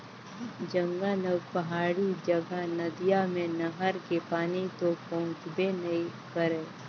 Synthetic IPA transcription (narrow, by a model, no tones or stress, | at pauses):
d͡ʒə̃ŋɡələɡpɐɦaːɽid͡ʒəɡanɐd̪ijamẽnɐɦəɾkepaːnit̪opɔ̃ʊ̃t͡ʃbenɐĩkəɾẽː